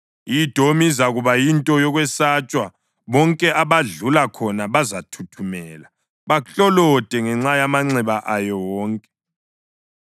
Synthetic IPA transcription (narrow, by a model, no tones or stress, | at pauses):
id̥ʱomizaɣuβajintʼɔjɔɣwɛsat͡ʃʼwa | βɔŋkʼɛʔaβaɮulakʰɔnaβazatʰutʰumɛːla | βaɬʼɔlɔd̥ʱʼɛŋɛŋ͡ǁajamaŋ͡ǀɛβaʔajɔwɔːŋkʼɛ̥